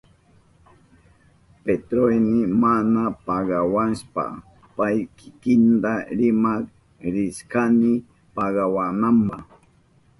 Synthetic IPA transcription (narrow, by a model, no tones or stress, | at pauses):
pet̪ɾojnɪmanapaɢawanʃpa̰ | pajkɪ̥kɪnt̪aɾɪmak | ɾɪskanɪ | paɢawanampah